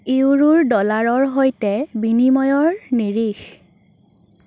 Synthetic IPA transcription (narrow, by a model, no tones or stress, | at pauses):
iwɹuɹdɔlaɹɔɹɦojtɛbinimɔjɔɹniɹix